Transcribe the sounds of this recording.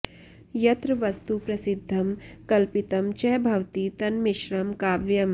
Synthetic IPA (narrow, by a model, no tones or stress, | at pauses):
jɐt̪ɾɐʋɐst̪upɾɐsɪd̪ʱːɐmkɐlpit̪ɐmt͡ʃɛɦbʱɐʋt̪it̪ɐnmiʃɾɐmkaːʋjɐm